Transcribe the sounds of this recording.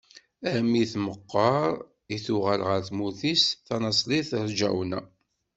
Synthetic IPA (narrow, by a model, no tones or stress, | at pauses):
æmiθməqːɑɾˤ | iθuʁəlʁəɾθmuθisθɑnɑsˤliθɾd͡ʒæ̰wnæ̰